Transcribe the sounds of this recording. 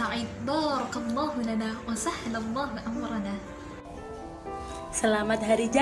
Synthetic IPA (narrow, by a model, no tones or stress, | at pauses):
aʕɪbɑːɾˤɑkɑlˤːɑːɦʊlanaːwasahalalˤːɑːɦʊʔamɾˤɑnaː | salaːmat̪haɾid͡ʒa